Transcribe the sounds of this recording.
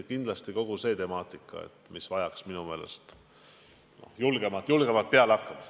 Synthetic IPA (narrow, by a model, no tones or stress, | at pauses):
kind̪lɑst̪iko̞ɡ̥use̞ːt̪e̞mɑːt̪ˑikːˑɑ̰ḛt̪ːˑmisvɑjɑksminume̞ːle̞̰st̪ | no̞̰hjulɡ̥e̞mɑt̪julɡ̥e̞mɑlt̪̚peɑlɑkːˑɑmɑ